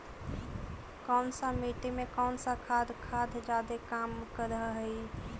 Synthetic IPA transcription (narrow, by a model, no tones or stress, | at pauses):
kɔʊnsə̃mit̪imekawnsə̃kʰad̪ʱkʰad̪ʱd͡ʒad̪ekamkəɾəɦəɦi